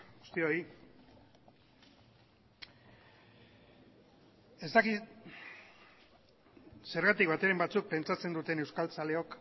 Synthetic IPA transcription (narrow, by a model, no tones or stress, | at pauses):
ɡust̪io̞i | e̞zt̪aki | se̞ɾɣat̪ikbat̪eɾembat͡suk̚pe̞nt͡ʃat͡se̞nd̪ut̪e̞ne̞wskalt͡sale̞o̞k